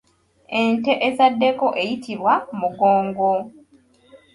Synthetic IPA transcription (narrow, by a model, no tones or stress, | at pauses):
e̞nte̞ʔezadːe̞ko̞ʔe̞jitʰiβwamuɡo̞ːŋɡo̞